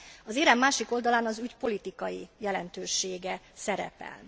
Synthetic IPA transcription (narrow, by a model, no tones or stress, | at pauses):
ɒzeːɾɛmːaːʃiko̞ld̪ɒlaːnɒzycpo̞lit̪ikɒjijɛlɛnt̪øːʃeːɡɛsɛɾɛ̰pɛ̰l